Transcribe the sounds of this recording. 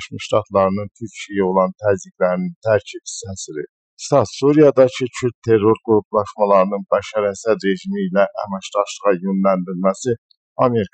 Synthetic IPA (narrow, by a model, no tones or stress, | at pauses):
ʃmɯʃt̪ɑt̪ʰlˠɑɾɯnɯnt̪ʰyɾcʰijæo̞lˠɑnt̪ʰæziɡlæɾinint̪ʰæɾcʰibi̥sæsiɾḭ | t̪ɑsuɾijɑd̪ɑcʰit͡ʃʰyɾt̪̚t̪ʰe̞rːo̞ɾɡuɾuplˠɑʃmɑlˠɑɾɯnɯnbæʃɑɾæsæɾe̞ʒimiːlæʔæ̰mæʃd̪ɑʃlˠɯʁɑjønlænd̪iɾmæsi | ɑme̞ɾikʰ